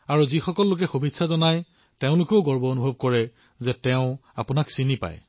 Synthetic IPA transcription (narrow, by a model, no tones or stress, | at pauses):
aɹuzixɔkɔlːʊk̬ɛxubʱitsazɔnaj | teʊ̃lʊkeʊɡɔɹbɔonubʱɔb̚kɔɹɛ | zɛtɛʊ̃a̰pʊnaksinipa̰j